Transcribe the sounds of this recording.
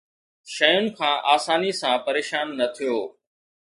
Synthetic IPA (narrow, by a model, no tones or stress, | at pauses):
ʃəjʊnɪ̆kʰãːʔaːsaːnisãːpɐɾeːʃaːnːɐt̪ʰijoː